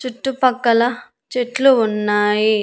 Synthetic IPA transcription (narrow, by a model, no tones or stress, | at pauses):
t͡ʃuʈːupɐkːɐlɐ | t͡ʃeʈluːnːaːji